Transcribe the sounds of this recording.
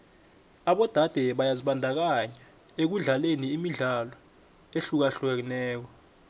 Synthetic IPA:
aɓɔd̥ʱad̥ʱɛɓajaziɓandʱak̬aɲa | ek̬uɮaleniːmiɮalɔ | eɬuk̬aɬuɛk̬inɛːk̬ɔ

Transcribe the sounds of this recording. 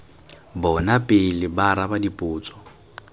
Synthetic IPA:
bɔnapʼɪlɪbaɾabadipʼuːt͡sʼɔ̥

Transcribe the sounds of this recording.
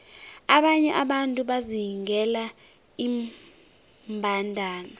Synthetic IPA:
aɓaɲɛʔaɓantʼuɓaziɦiŋɡɛla | i | mbʱandʱaːna

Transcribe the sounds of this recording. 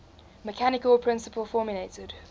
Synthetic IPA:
məkʰanɪkəlˠpʰɹ̥ɪ̃nsəpəlˠfɔːmjəleɪtɪd̥

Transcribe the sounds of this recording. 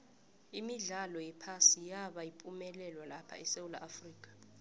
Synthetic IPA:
imiɮalɔjɛpʰasijaɓajipʼumɛlɛlwalapʰa̰ɛsewula̰ʔafriːkʼḁ

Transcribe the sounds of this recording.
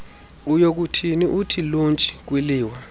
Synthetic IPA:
ujok̬utʰiniʔutʰilont͡ʃʼi̥k̬wiliːwa

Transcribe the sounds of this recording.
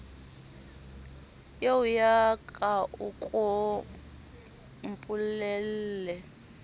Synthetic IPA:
jewujakʼaʔukʼɔ | mpʼulɛllɛ

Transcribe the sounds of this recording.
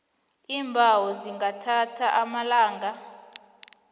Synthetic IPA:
iːmbʱawɔziŋɡatʰatʰaʔamalaːŋɡʱa

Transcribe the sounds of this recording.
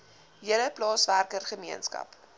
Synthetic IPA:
ɦiələplɑːsværkərχəmiənskɐ̰p

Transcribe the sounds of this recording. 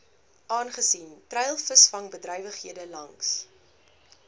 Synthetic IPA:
ʔɑːnχəsintrɛjlˠfəsfɐŋbədrœjvəχɦiədəlɐŋs

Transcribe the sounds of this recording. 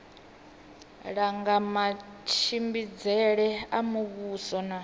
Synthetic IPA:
ɺaŋɡamat͡ʃʰimbid͡zɛɺɛamuβuːsɔna

